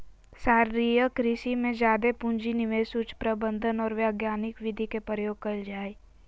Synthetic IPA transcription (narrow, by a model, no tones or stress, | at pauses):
saːɾɾijəkɾɪʃimẽd͡ʒjaːd̪epʊ̃ɲd͡ʒinɪʋeːsʊt͡ʃpɾəbə̃nd̪ʱənɔːɾʋjaːɡjaːnɪkʋɪd̪ʱikepɾəjoːɡ̚kɐld͡ʒaːe